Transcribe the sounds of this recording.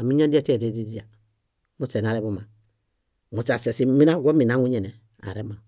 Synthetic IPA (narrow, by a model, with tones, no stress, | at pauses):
a˨mi˦ɲa˦da˦te˨de˦di˦di˦a˨ | mu˦se˨na˨˦ɾe˦bu˦ma˨ | mu˨sa˨se˨si˨mi˦na˦˨ɡo˦mi˨na˨˦ŋu˦ɲe˨ne˨ | a̰˨ɾe˦ma˨